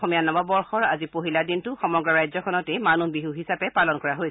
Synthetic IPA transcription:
omijanɔbabɔɹxɔɹa̰zipoɦiladintʊxɔmɔɡɹɔɹajzɔkʰɔnɔtɛmanubiɦuɦisapɛpalɔnkɔɹaɦoj

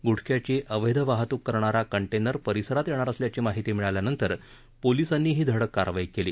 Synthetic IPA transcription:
ɡuʈʰkjat͡ɕiːʔəʋəjd̪ʱəʋaɦt̪uːkːəɾɳaɾakəɳʈenəɾpəɾisəɾat̪jeɽ̃aɾəsljat͡ɕiːmaɦit̪iːmiɭaljanənt̪əɾ | polisanːiːɦiːd̪ʱəɽəkːa̰ɾʋajikelḭː

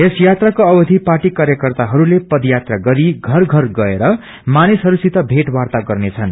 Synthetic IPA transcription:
esjat̪rakoʌbʌd̪ʱipaʈikaɾjʌkʌrt̪aɦʌɾulepʌd̪jat̪raɡʌɾiɡʱʌrɡʱʌrɡʌeɾʌ | manisɦʌɾusit̪ʌbʱeʈwart̪aɡʌrnet͡sʰʌn

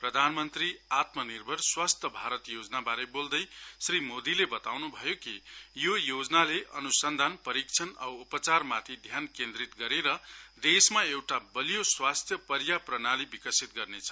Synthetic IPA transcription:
prʌd̪ʱanmʌnt̪riat̪mʌnirbʱʌrswast̪ʰjʌbʱaɾʌt̪jod͡znabaɾebold̪ʌjsrimod̪ilebʌt̪awnubʱʌjokijojod͡znaleʔʌnusʌnd̪ʱanpʌɾik̚t͡sʰʌnʌ̰wupʌt͡sarmat̪ʰid̪ʱjankend̪rit̪ɡʌɾeɾʌd̪esmaewʈabʌlijoswast̪ʰjʌpʌɾjaprʌnalibikʌsit̪̚ɡʌrnet͡sʰʌ̥

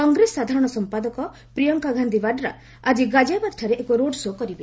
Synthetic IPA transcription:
kɔŋɡɾesːad̪ʱaɾɔɽ̃ɔsɔmpad̪ɔkɔ | pɾijɔŋkaɡʱand̪ʱibaɖɾa̰ | ad͡ʒiɡad͡ʒabad̪ʈʰaɾeʔekoɾoɖsokɔɾibe

